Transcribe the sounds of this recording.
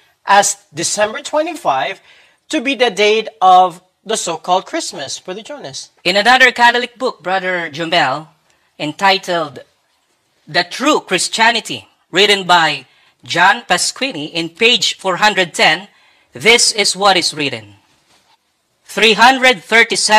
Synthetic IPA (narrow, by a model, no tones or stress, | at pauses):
ʔæz | dɨsɛ̃mbə˞tʰw̥ɛ̃ntifaɪv̥ | tɨbiðɨdeɪɾʌv | ðəsoʊkʰɔlˠd̚kʰɹ̥ɪsməsfɔ˞ðɨd͡ʒə˞nsʔɪ̃nanʌðə˞kæθɔlɪk̚bʊk̚bɹʌðə˞d͡ʒɔ̃mbɛlˠ | ɛ̃ntaɪtʰəld̪ | dɨt̪ʰɹukɹɪst͡ʃænɪt̪ḭ | ɹɪtɨ̃nbaj | d͡ʒɑ̃npɛskwiniʔɪ̃npeɪd͡ʒfɔɹɦʌ̃ndɹɨd̪̚t̪ʰɛ̃n | ðɪsɪswʌɾɪsɹɪɾɨ̰̃n | θɹiɦʌ̃nd̪ɹɛd̪̚θə˞t̪isɛ